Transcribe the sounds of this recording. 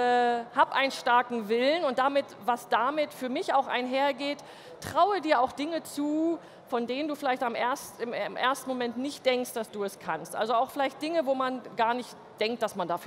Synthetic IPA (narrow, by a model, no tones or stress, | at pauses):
ɛhaːpʔa̰ɪnənʃtaɐkŋ̩vɪlənʊntd̥amɪt | vasd̥amɪtfyːɐmɪçaʊxʔa̰ɪnɦeːɐɡeːt | tʁ̥aʊədiːɐaʊxd̥ɪŋət͡suː | fɔndeːnənduːfɪlaɪçtamʔeːɐsɪmmʔḛːɐstn̩momɛntnɪçt̚d̥ɛŋkstd̥asd̥uːɛskʰanstʔa̰lzoaʊxfɪlaɪçt̚d̥ɪŋəvoːmanɡaːɐnɪçt | d̥ɛŋkt̚d̥asmandaːf